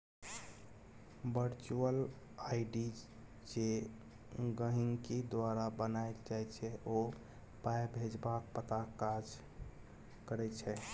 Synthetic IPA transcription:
bəɾt͡ʃuəl | aiɖi | d͡ʒe | ɡəɦiŋked̪waɾabənaekd͡ʒajt͡ʃʰɛʔo | paebʱed͡ʒbak̚pət̪akkːad͡ʒ | kəɾɛt͡ʃʰɛ

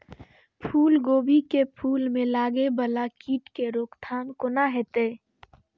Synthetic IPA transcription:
pʰuːlɡoːbʱikepʰuːlmẽlaːɡebəlakiːʈkeɾoːkt̪ʰaːnkonaɦɛːt̪eː

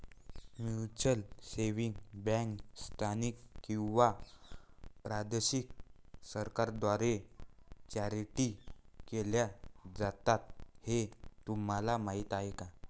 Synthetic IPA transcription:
mut͡ɕəlseʋiŋɡbɛ̃kst̪ʰanikkːĩwʋa | pɾad̪eɕik̚səɾkaɾd̪ʋaɾe | t͡ɕaɾiʈikeljad͡zat̪at̪̚het̪um̤alamaɦiːt̪aɦeka

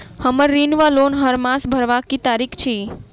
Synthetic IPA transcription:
həməɾɾinʋalonɦəɾmãsbʱəɾʋakit̪aɾikʰt͡ʃʰi

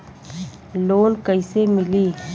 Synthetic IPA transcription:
loːnkəisemɪliː

